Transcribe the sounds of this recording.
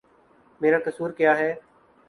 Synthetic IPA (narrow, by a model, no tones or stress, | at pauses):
meːɾaːkəsuːɾkɪjaːɦɛː